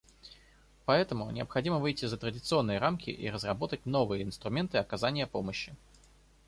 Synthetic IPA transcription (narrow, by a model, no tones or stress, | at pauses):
pɐɛt̪əmʊnʲɪə̰pxɐdʲiməvɨjtʲɪzət̪ɾədʲɪt̪sɨo̞nːɨjəɾamkʲɪ̰ʔḭɾəzrɐbo̞t̪ətʲno̞vɨjəɪnst̪ɾʊmʲe̞nt̪ɨɐkɐzanʲɪjəpo̞məɕːɪ